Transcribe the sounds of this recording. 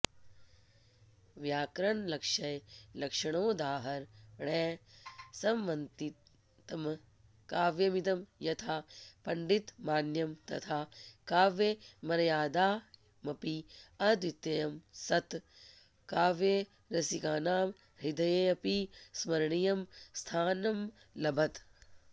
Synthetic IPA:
ʋjaːkɾɐɳlɐkʂɐjlɐkʂɐɳoːd̪aːɦɐɾɳɛːsɐmʋɐnt̪i | t̪ɐm | kaːʋjɐmit̪ɐmjɐt̪ʰaːpɐɳɖit̪maːnjɐmt̪ɐ̰t̪ʰaːkaːʋjemɐɾɐjaːd̪aː | mɐpiɐd̪ʋit̪jɐjɐmsɐt̪ | kaːʋje | ɾɐsikaːnaːm | ɾid̪ɐjeːɐpismɐɾɐɳijɐmst̪ʰaːnɐm | lɐbʱɐt̪

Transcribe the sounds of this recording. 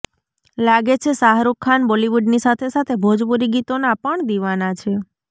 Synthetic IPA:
laɡet͡ʃʰesaɦɾukʰːanboliʋuɖnisat̪ʰesat̪ʰebʱod͡ʒpuɾiɡit̪onapəɳd̪iʋanat͡ʃʰe

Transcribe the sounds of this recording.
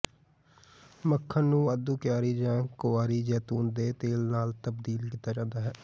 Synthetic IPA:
məkʰːənnũːəd̪ũːkjaːɾiːd͡ʒãːkʊaːɾiːd͡ʒɛːt̪uːnd̪eːt̪eːlnaːlt̪əbd̪iːlkiːt̪aːd͡ʒãːnd̪aːɦɛː

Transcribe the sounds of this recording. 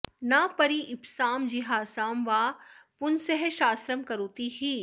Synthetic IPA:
napɐɾiʔɪpsaːmd͡ʒiɦaːsaːmʋaːpʊnsɛɦɛʃaːst̪ɾəmkɐɾoːt̪iɦiː

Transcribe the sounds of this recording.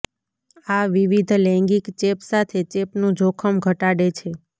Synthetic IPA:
aʋiʋid̪ʱlɛ̃ŋɡikt͡ʃepsat̪ʰet͡ʃepnũd͡ʒʱokʰəmɡʱəʈaɽet͡ʃʰe

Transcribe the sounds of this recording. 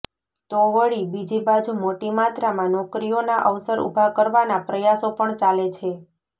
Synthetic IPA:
t̪oʋəɭibid͡ʒibad͡ʒumoʈimat̪ɾamãnɔkɾijonaʔəʋsəɾṵbʱakəɾʋanapɾəjasopəɳt͡ʃalet͡ʃʰe

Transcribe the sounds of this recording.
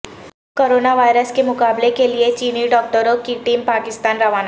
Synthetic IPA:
koːɾoːnaʋaːɪɾəskemʊkaːblekeliet͡ʃiːniɖɔːk̚ʈəɾokiʈiːmpaːkɪst̪aːnɾɐʋaːna

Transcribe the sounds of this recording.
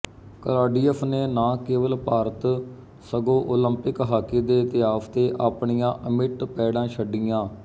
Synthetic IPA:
kəɾaːɖiːəpʰneːnãːkeːʋəlpaːɾət̪ | səɡõːʔoːləmpɪkɦaːkiːd̪eːt̪ɪjaːft̪eːʔaːpɳijãːʔəmɪʈpɛːɽãːʃʰəɖijãː

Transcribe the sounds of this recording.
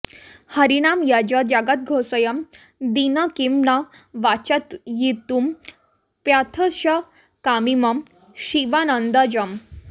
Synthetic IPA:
həɾinamjad͡ʑad͡ʑaɡat̪̚ɡʱosəjam | d̪inakimna | ʋat͡ɕat̪jit̪um | pjat̪ʰəɕə | kamimam | ɕiʋanənd̪ad͡ʑəm

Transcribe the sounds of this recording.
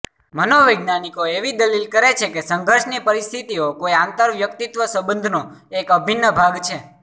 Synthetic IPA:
mənoʋəjɡnanikoeʋid̪əlilkəɾet͡ʃʰekesə̃ŋɡəɾʃnipəɾist̪ʰit̪iokoiãnt̪əɾʋjəkt̪it̪ʋəsəbə̃nd̪ʱno | ekəbʱinːəbʱaɡt͡ʃʰe

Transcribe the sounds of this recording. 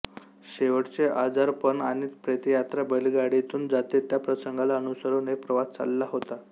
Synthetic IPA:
ɕeʋəʈt͡seʔad͡zaɾpəɳañit̪pɾet̪ijat̪ɾabəliɡaɽit̪uːnd͡zat̪et̪japɾəsəŋɡalaənusəɾunek̚pɾəʋast͡sa̰lːaɦot̪a

